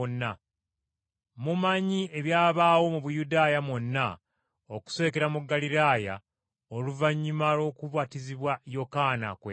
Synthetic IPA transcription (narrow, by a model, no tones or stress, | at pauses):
nːa | mumaɲie̞βjaːβaːwo̞muβujudaːjamonːa | oku̥se̞ke̞ɾamuɡːaliɾaːja̰ | oluvaɲːumalo̞ːkuβwatiziβwajo̞kana̰kwe